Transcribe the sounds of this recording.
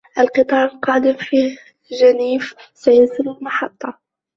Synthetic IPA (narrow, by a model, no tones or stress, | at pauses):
ʔalqɨt̪ˤɑːɾalqɑːd̪ɪmfiː | ʒaniːfsajasɪlalmɑħɑt̪ˤːɑ